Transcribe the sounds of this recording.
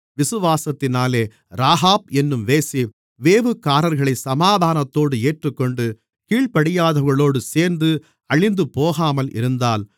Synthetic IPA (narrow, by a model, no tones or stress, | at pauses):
ʋɪsɯʋaːsɐt̪ːɪnaːleː | ɾaːɦaːp̚ɛnːɯmʋeːsi | ʋeːʋɯkːaːɾɐɾɣɐɭɐɪsɐmaːðʱaːnɐt̪ːoːɽɯeːʈrɯkːɔɳɖɯ | kiːɭpɐɽɪjaːðɐʋɣɐɭoːɽɯseːɾnd̪ɯ | ɐɭɪnd̪ɯpoːɣaːmɐlʔɪ̰ɾɯnd̪aːl